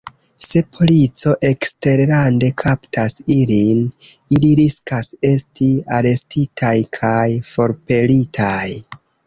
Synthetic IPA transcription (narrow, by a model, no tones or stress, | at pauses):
se̞pʰo̞lit͡so̞ʔe̞kste̞ɾɾande̞kʰaptʰasiliniliɾiskase̞stiaɾe̞stitʰajkʰajfo̞ɾpe̞litʰaj